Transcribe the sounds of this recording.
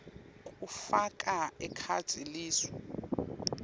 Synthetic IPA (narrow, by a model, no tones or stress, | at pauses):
kʼufak̬ʼaɛkʰa̰̥z̥ʰʱʼiliːswɔ